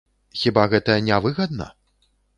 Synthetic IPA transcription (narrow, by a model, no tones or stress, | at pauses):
xʲibaɣɛt̪ɐjɐnʲavɨɣɐd̪nɐ̰